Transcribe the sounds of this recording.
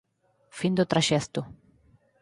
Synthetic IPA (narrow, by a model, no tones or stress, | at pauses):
find̪ʊt̪ɾaʃɛst̪ʊ